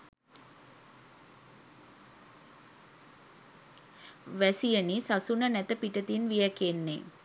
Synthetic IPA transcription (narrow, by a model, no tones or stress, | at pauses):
ʋæsijənisasunənæt̪əpiʈət̪inʋijəkenːe